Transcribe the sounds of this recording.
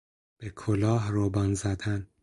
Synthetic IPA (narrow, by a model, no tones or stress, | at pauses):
b̥ekʰolɒːɦrobɒnzæd̪æn